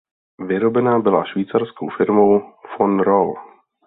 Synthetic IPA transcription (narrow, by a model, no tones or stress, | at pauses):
vɪɾobɛnaːbɪla̰ʃviːt͡saɾskowfɪɾmowfonɾol